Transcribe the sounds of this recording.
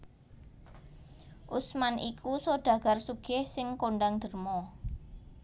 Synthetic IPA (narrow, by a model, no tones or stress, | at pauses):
ʔusmanʔikʰusoɖ̥ä̤ɡ̥a̤rsuɡ̥ɪhsɪŋkoɳɖaŋd̪̥ə̤rmɔ